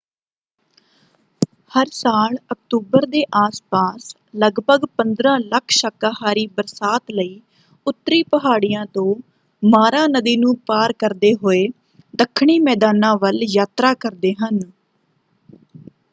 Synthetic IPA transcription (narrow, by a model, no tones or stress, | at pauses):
həɾsaːlək̚t̪uːbəɾd̪eːʔaːspaːs | ləɡbəɡpənd̪ɾãːləkʰʃaːkaːɦaːɾiːbəɾsaːt̪ləiː | ʊt̪ːəɾiːpəɦaːɽijãːt̪õː | maːɾãːnəd̪iːnũːpaːɾkəɾd̪eːɦoːeː | d̪əkʰːɳ̃iːmɛːd̪aːnãːʋəljaːt̪ɾaːkəɾd̪eːɦən